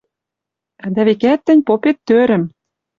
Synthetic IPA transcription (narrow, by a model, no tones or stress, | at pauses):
d̪æβekæt̪ːɘ̆nʲpopet̪ːøɾɘ̆m